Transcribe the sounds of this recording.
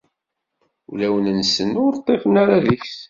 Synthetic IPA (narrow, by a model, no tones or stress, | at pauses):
ulæwənənsənʊɾt̪ˤːefənaɾaðiçθ